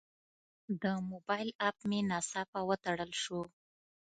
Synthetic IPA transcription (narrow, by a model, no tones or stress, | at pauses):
d̪əmobɑjlapmenɑsɑpawət̪aɽəlʃu